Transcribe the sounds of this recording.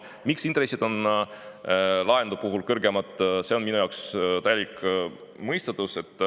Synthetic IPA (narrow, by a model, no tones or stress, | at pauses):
miksint̪ɾe̞sːid̪̥o̞n | lɑend̪upuɦulkɤrɡ̥e̞mɑt̪ˑːse̞o̞nminujɑwkst̪æjelik | mɤjst̪et̪ːˑuse̞t̪ːˑ